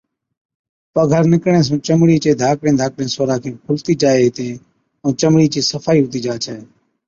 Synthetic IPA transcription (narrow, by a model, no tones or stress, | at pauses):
pəɡʱəɾnɪkɽẽːs̬ũːt͡ʃəmɽiːt͡ʃeːd̪ʱaːkɽẽːd̪ʱaːkɽẽːsoːɾaːkʰẽːpʰʊlt̪iːd͡ʒaːeːɦɪt̪ẽː | õːt͡ʃəmɽiːt͡ʃiːsəfʰaːiːɦʊt̪iːd͡ʒaːt͡ʃʰɛː